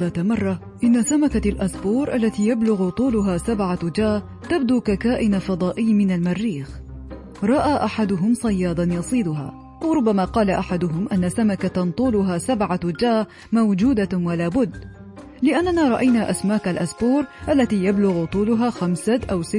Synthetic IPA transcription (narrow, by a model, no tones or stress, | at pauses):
aːt̪amɑrˤːɑ | ʔɪnːasamakalʔasbuːɾˤʔalːat̪iːjablʊɣt̪ˤuːlʊɦaːsabʕad͡ʒaː | t̪abd̪uːkakaːʔɪnafɑd̪ˤɑːʔɪjːmɪnalmarːiːx | ɾˤɑʔaːʔaħad̪ʊɦʊmsˤɑjːɑːd̪ˤɑnjɑsˤiːd̪ʊɦa̰ː | ʔawɾˤʊbːamaːqɑːlaʔaħad̪ʊɦʊmʔanːasamakaant̪ˤuːlʊɦaːsabʕad͡ʒaː | mawd͡ʒuːd̪awalaːbʊd̪ː | lɪʔanːanaːɾˤɑʔajnaːʔasmaːkalʔasbuːɾʔalːat̪iːjablʊɣt̪ˤuːlʊɦaːxamsaʔawsɪt̪ː